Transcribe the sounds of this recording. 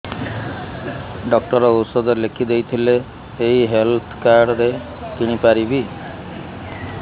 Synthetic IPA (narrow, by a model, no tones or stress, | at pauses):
ɖɔk̚ʈɔɾɔosɔd̪ɔlekʰid̪ejt̪ʰileː | ɦiɦelt̪ʰkaɾɖɾe | kiɽ̃ipaɾibi